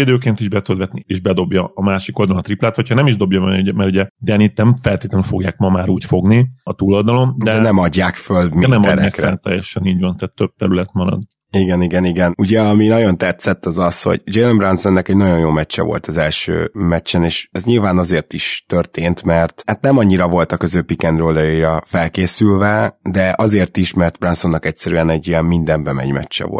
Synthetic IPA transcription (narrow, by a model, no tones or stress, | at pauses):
id̪øːk̬eːnt̪iʒbɛt̪ud̪ʋɛt̪nieːʒbɛd̪o̞bjɒːmaːʃiko̞ld̪ɒlnːt̪riplaːt̪hochɒnɛmiʒd̪o̞bjɒbɛuɟɛmɛɾuɟɛd̪ɛɛnit̪nɛmfɛlt̪eːt̪lɛnyfo̞ɡjaːkmɒmaːɾuːcfo̞ɡniɒt̪uːlold̪ɒlo̞md̪ɛɛnɛmɒɟːaːkfølminɛmɒdnnɛkɛlt̪ɛ̰jːɛʃɛniːɟvɒnt̪aːt̪ːøb̚t̪ɛɾylɛt̪mɒɾɒ̰d̪ | iɡɛniɡɛniɡɛnuɟɛɒminɒɟo̞nt̪ɛt̪sɛt̪ːɒzɒsho̞̰ɟd͡ʒelombransonːɛkɛɟnɒɟo̞jjoːmɛt͡ʃːɛ̰vo̞̰lt̪ɒzɛlʃø̰ːmɛt͡ʃːɛneːʃɛzɲilvaːnɒzeːrt̪iʃt̪ørt̪eːnt̪mɛrt̪hat̪nɛmɒɲːiɾɒvo̞lt̪ɒkøzøːpikɛnroːlɒjɑiɾɒfɛlkeːsylvɛd̪ɛʔɒzeːrt̪iʃmɛrt̪bransonːɒkɛcsɛɾyɛnɛɟːijɛmmind̪ɛmbɛmɛ̰ɲmɛ̰t͡ʃːɛ̰vo̰